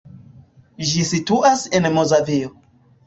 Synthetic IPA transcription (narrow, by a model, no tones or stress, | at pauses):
d͡ʒisituʔase̞nmozavio